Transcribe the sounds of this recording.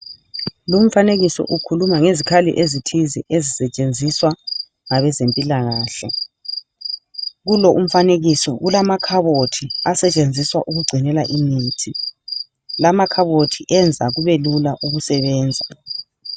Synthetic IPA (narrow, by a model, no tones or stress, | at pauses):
lom̩faneɣisɔ̰ʔukʰulumaŋezikʰalḭʔezitʰiziʔezisɛt͡ʃʼend͡zʱiswa | ŋaβɛzempʼilaɣaːɬɛ̰ | ɣulɔʔum̩faneɣisɔɣulamakʰaβotʰiasɛt͡ʃʼend͡zʱiswa̰ʔuɣuɡ͡ǀʱinɛla̰ʔimiːtʰi | lamakʰaβotʰiʔɛnd͡zʱaɣuβelulaʔuɣusɛβɛːnd͡zʱa